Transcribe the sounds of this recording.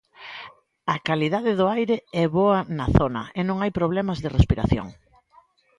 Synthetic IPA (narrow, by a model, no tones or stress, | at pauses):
ɐkaliðaðɪðʊajɾeɛβoɐnɐθonɐ̰enõŋajpɾoβ̞lɛmɐzðɪrespiɾa̰θjo̰ŋ